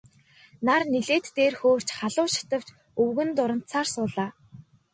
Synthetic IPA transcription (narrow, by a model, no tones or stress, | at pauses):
narniɮeːt̪ːeːrxoːr̥t͡ɕχaɮʊːʃḁt̪ə̆w̥t͡ɕ | ɵwɣɘ̆nt̪ʊɾə̆n̥t̪sʰarsʊːɮaː